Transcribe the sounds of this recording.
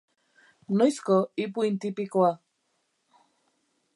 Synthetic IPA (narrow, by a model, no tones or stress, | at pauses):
nojskoip̬uint̪ipikwa